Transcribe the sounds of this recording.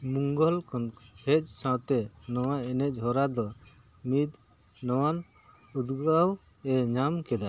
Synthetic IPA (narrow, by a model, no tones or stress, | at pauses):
muŋɡɔlkɔnhʰɛt͡ʃsãt̪ɛnɔwaɛnɛc̚ˀɦɔɾad̪ɔ | mid̪ | nɔwan | ud̪ɡaw | ɛɲamkɛd̪a